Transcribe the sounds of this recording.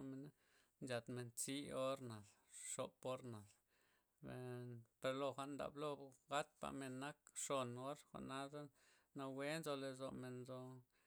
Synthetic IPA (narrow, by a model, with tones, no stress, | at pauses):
me˨na˦ | nd͡ʒa˨t̪me˨nt͡si˦o˦ɾna˨l | ʂo˨po˦ɾna˨l | e˨pe˧ɾlo˧xʷa˨ʔnd̪a̰˨blo˧ɡa˦t̪̚pa̰˨me˨nːa˦kʂo˨no˦ɾxʷa̰˨ʔna˦d̪a˦ | na˧we˦nzo˧le˧zo˨me˨nzo˧